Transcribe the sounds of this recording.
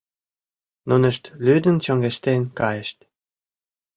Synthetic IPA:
nunə̆ʃt̪lyd̪ənt͡ɕoŋɡeʃt̪enkɑjəʃt̪

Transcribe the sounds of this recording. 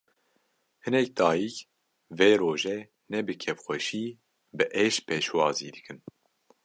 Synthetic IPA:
hɨnɛk̚d̪ɑːjik | veːɾoːʒɛ | nɛbɨkʰɛfxʷɛʃiː | bɨʔɛʃpʰeːʃwɑːziːd̪ɨkʰɨn

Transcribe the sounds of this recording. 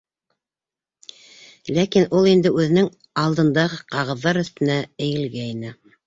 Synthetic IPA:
lækinulˠind̪ɘʉðɘ̆nɘŋ | ɑlˠd̪ɤ̆nd̪ɑʁɤqɑʁɤ̆ðːɑɾɵ̆θt̪ɘ̆næɘ̆jɘ̆lɡæinɘ

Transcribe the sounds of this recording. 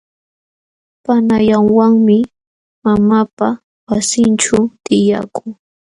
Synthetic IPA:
panajaŋwaŋmɪ | mamapa | wasɪnʈ͡ʂʊt̪ɪja̰kʊŋ

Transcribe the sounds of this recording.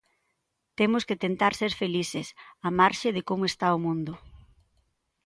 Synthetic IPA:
t̪emʊsket̪ent̪aɾseɾfelisɪsamaɾʃɪðɪkomʊest̪aomũnd̪ʊ

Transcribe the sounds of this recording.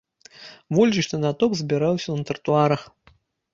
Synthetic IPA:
vɔlʲd͡ʒiʂt̪ɨnat̪ɔkzʲbʲiɾawsʲɐnɐt̪ɐrt̪uaɾɐx

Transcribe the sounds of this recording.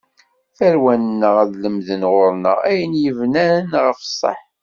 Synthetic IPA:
θæɾwænnːəʁæðləmðənʁʊɾnə̰ʁæjənjəvnænʁəfə̥sˤːə̰ħ

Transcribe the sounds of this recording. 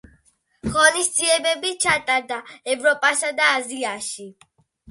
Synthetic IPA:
χɔnisd̪ziɛbɛbit͡ʃʰat̪ʼaɾd̪aɛvɾɔpʼasad̪aːziaʃi

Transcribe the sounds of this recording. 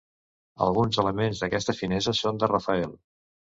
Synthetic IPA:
ə̰lˠɣunzələmenzðəkɛst̪əfinɛzəsond̪ərəfəem

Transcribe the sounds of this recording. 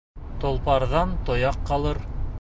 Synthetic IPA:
t̪ŏlˠpɑɾðɑnt̪ŏjɑqːɑlˠɤɾ

